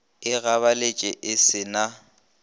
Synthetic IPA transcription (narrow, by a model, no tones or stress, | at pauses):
ɪɣaβalet͡ʃʼɛʔɪsɪna